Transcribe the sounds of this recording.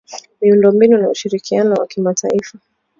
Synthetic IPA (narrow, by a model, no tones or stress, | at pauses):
miundɔmbinunauʃiɾikianɔwa̰kimatʰaifa